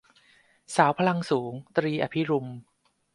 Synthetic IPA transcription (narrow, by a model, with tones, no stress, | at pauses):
saː˩˦wpʰa˧la˧ŋsuː˩˦ŋt̪ɾiː˧ʔa˧˩pʰi˦˥ɾu˧m